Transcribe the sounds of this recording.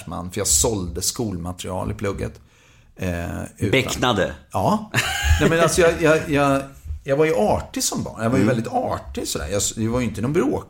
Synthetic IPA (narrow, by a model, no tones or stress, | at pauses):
ʂma̰nːfœɾjɑsɔld̪əskuːlmat̪ɾɪ̰ɑ̰ːlɪpʰlɵɡːə̰t̪ | ʉ̟ːbɛk̪nad̪ə̰ɑːnɛmɛnalsɔjɑjɑjɑjɑɡvaɾjɵʔɑːʈɪsɔmbɑ̰ːɳjɑvaɾjəvɛld̪ɪt̪ɑːʈɪsɔd̪æ̰ɾjɑd̪ɛvaɾjʏɪnt̪ənɔnbɾoː